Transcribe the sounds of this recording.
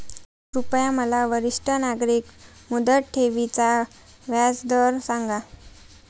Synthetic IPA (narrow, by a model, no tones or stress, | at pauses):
supjaməlaʋəɾiʂʈʰənaɡɾikmud̪əʈʰeʋit͡sa | ʋjad͡zd̪əɾsãŋɡa